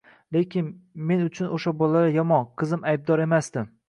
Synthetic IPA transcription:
le̞kʲɪnme̞nʊt͡ʃʰʊnoʃabɒlaɾɪjɒmɒqʰɨzɪmajb̚d̪ɒɾe̞masd̪ɪ

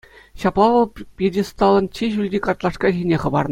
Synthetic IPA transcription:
ɕɑplˠɑʋɤ̆lˠpʲedʲist̪ɑlˠːɤ̆nt͡ɕːeʑylʲdʲikɑrt̪lˠɑʂkɑʑinʲeχɤ̆bɑ̰rnɤ

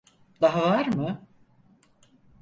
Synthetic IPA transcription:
d̪aɦavaɾmɯ

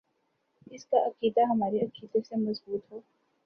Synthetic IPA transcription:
ɪskaʔɐkiːd̪aɦɐmaːɾiɐkiːd̪õsemɐzbuːt̪ɦoː

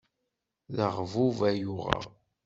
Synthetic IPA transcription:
ðəʁvuvæjuʁɑ̰

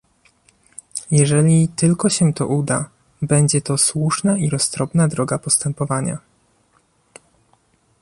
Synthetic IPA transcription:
jɛʐɛlʲit̪ɘlkɔɕɛt̪ɔ̰ʔud̪a̰ | bɛɲd͡ʑɛt̪ɔswuʂnaiɾɔst̪ɾɔbnad̪ɾɔɡapɔst̪ɛmpɔvaɲa̰

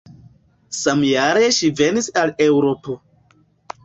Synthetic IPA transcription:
samjaɾe̞ʃive̞nisalewɾo̞po̞

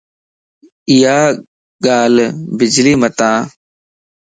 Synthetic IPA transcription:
ɪjaː | ɠaːlbɪd͡ʒliːmət̪ãː

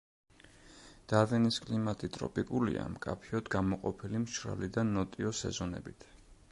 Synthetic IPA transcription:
d̪̥avɛniskʼlimat̪ʼit̪ʼɾɔ̰pʼikʼulḭa̰mkʼapʰiɔd̪ɡamɔqʼɔpʰilimʃɾa̰lid̪anɔt̪ʼiɔsɛ̰zɔnɛ̰bit̪ʰ

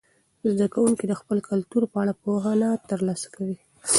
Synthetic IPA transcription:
zd̪akawuŋkid̪əxpəlkalt̪uɾpəaɽapoɦanat̪əɾlɑsḁkawi

